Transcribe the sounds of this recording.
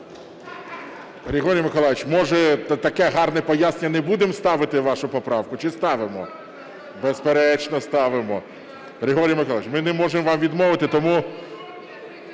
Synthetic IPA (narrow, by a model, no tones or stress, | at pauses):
ɾʲeɦɔɾʲijɐmɪkɔlˠaʋʲɪt͡ʃmɔʒɛt̪t̪ɐkɛɦɑrnɛpɔjasneɲʲːɐnɛbud̪emst̪ɑʋɪt̪ɪʋɑʃʊpɔpɾɑwkʊt͡ʃɪst̪ɑʋɪmɔ̰ | bespeɾɛt͡ʃnɔst̪ɑʋɪmɔ | ɾʲeɦɔɾʲijɐmɪkɔlˠaʋʲɪt͡ʃmɪnɛmɔʒemʋɑmʋʲid̪mɔʋɪt̪ɪt̪ɔmu